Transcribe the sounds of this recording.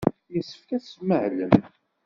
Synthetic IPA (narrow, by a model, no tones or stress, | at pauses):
jəsːə̥fkæsməʕlən